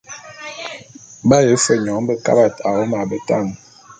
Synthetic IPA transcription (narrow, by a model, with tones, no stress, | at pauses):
ba˦jə˨˦fə˨ɲɔ˨˦ŋ˦bə˦ka̰˦ba˨ta˨o˦ma˨bə˨ta˦˨ŋ